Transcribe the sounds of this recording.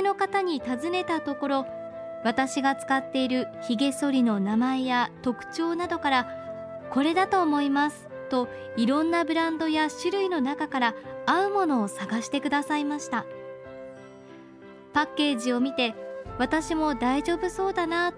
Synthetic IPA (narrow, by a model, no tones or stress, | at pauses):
no̞kat̪aɲ̟it̪azɨne̞t̪at̪o̞ko̞ɾo̞ | βat̪aɕiɡat͡sɨ̥kat̪ːe̞iɾɯ̟çiɡe̞so̞ɾʲino̞namae̞jat̪o̞kɯ̟̥t͡ɕo̞ːnad̪o̞kaɾa | ko̞ɾe̞d̪at̪o̞ːmo̞imasɨ̥ | t̪o̞ | iɾõ̞nːabɯ̟ɾãnd̪o̞jaɕɨɾɯ̟ino̞nakakaɾaaɯ̟mo̞no̞ːsaɡaɕi̥t̪e̞kɯ̟d̪asaimaɕi̥t̪a | pakːe̞ːʑio̞mʲit̪e̞βat̪aɕimo̞d̪aiʑo̞ːbɯ̟so̞ːd̪ana